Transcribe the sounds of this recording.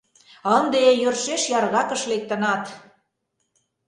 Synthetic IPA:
ənd̪eejørʃeʃjɑrɣɑkə̆ʃlek̚t̪ə̆nɑt̪

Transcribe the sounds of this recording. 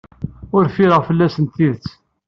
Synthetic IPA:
ʊɾfiɾəʁfəlːæsənt̪iðət͡sː

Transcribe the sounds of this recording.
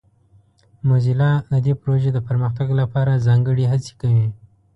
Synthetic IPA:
mozilɑd̪əd̪epɾoʒed̪əpəɾməxt̪aɡlapɑɾazɑŋɡəɽiɦat͡se̥kawi

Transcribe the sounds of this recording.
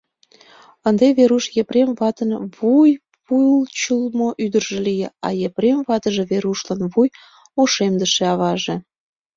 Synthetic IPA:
ənd̪eβeɾuʃjepremβɑt̪ənβuj | pujlt͡ɕulmoʔyd̪ərʒĕlijeɑ̰jepremβɑt̪əʒĕβeɾuʃlənβuj | oʃemd̪əʃeɑβɑʒe

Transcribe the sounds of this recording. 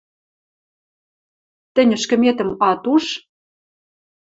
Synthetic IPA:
t̪ɘ̆nʲə̆ʃkə̆met̪ə̆mɑt̪uʃ

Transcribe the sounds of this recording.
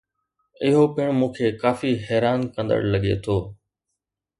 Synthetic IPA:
ɪɦopɪɽ̃mũːkʰeːkaːfiɦɛːɾaːnkə̃nd̪ə̰ɽləɠḛt̪ʰoː

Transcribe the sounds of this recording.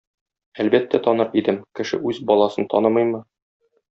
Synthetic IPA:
ælbæt̪ːæt̪ɒnɤɾid̪ɘmkɘ̆ʃɘ̰ʉzbɒlˠɑsɤnt̪ɒ̰nɤmɤjmɤ

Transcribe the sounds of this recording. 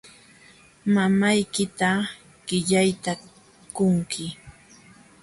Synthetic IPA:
mamajkɪt̪a | ɢ̥ɪʎajt̪a | kʊŋkʰɪ

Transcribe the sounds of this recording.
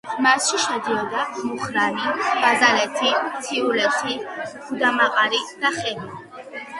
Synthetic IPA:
masʃiʃɛd̪iɔd̪amuχɾanib̥azalɛt̪ʰit̪ʰiulɛt̪ʰi̥ | ud̪amaqʼaɾid̪̥aχɛni

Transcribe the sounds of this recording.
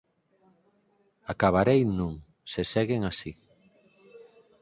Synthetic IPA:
akaβaɾejnũŋ | sesɛɣeŋasi

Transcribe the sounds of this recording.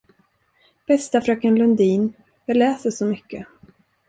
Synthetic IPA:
b̥ɛst̪afɾœkənlɵnd̪iːn | vɛlɛːsəʂɔmʏkːə

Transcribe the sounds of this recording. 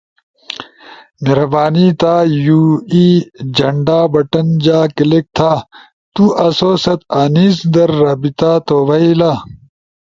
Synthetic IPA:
neɾɐbaːnit̪aːjuːiːd͡ʑɐɳɖaːbɐʈɐnd͡ʑaːkilek̚t̪ʰaː | t̪uʔɐsoːsɐt̪aniːsd̪ɐɾːɐbit̪aːt̪oːʋɐilaː

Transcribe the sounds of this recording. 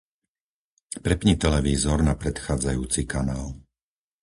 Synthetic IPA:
pɾɛpɲit̪ɛlɛʋiːzɔɾnapɾɛt̪xaːd͡zajuːt͡sikanaːl

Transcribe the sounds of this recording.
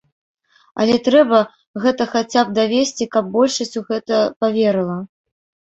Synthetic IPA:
ɐ̰lʲɛt̪ɾɛbɐ | ɣɛt̪ɐxat͡sʲap̚d̪avʲesʲt͡sʲikɐb̚ːɔlʲʂɐsʲt͡sʲuɣɛt̪ɐpavʲɛɾɨlˠɐ

